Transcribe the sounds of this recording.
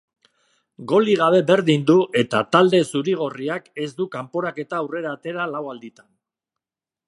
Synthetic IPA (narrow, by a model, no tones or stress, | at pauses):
ɡo̞liɣaβ̞e̞be̞ɾðind̪uʔe̞t̪at̪ald̪e̞suɾiɣ̞o̞riake̞zd̪ukampo̞ɾake̞t̪aːwre̞ɾat̪e̞ɾalawald̪it̪an